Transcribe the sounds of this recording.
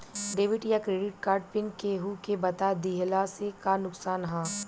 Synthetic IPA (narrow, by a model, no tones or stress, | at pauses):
ɖeːʋɪʈjakɾeːɖɪʈ̚kaːɾɖpɪŋkeːɦukebɐt̪ad̪iɦlasekanʊksaːnɦãː